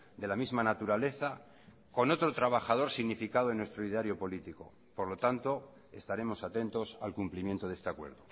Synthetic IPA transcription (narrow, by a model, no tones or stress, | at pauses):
d̪e̞lamizmanat̪uɾale̞θa | ko̞no̞t̪ɾot̪ɾaβ̞axað̞o̞ɾsiɣnifikaðoenwest̪ɾoiðeaɾjo̞po̞lit̪iko̞̰ | poɾlo̞t̪ant̪o̞ | e̞̰st̪aɾe̞mo̞sat̪e̞nt̪o̞salkumplimje̞nt̪o̞ðe̞st̪eakwe̞̰ɾðo̞